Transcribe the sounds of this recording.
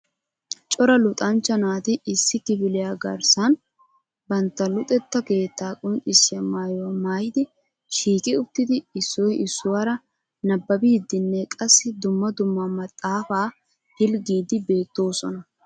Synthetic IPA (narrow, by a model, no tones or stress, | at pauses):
t͡ʃʼɔɾɐlʊt̪ʼɐnt͡ʃːɐnaːt̪ɪɪsːɪkɪbɪlɪjaɡɐ̰ɾsɐn | bɐnt̪ːɐlʊt̪ʼɛt̪ːɐke̞ːt̪ːaːkʼʊnt͡ʃʼɪsːɪɐmaːjomaːjɪd̪ɪ | ʃiːkʼɪʊt̪ːɪd̪ɪɪsːɔjɪsːʊwaːɾɐ | nɐbːɐbɪd̪ːɪnːɛkʼɐsːɪd̪ʊmːɐd̪ʊmːɐmɐt̪ʼːaːfaː | hɪlɡiːd̪ɪbe̞ːt̪ːo̞ːsɔnɐ